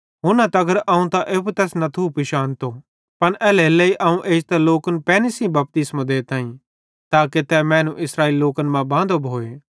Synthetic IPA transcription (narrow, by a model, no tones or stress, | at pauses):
ɦʊnãt̪ɐɡəɾʔɐũt̪ãʔeːpt̪ɛːsnɐt̪ʰupiʃaːnt̪o | pɐnʔɛːleleiʔɐũʔeːd͡ʒt̪aloːkənpɛːnɪsĩbɐp̚t̪ɪsmãd̪eːt̪ãːĩ | t̪aːket̪ɛːmɛ̃ːnũʔɪsɾaːiːlilːoːkənmãbãːnd̪obʱoːeː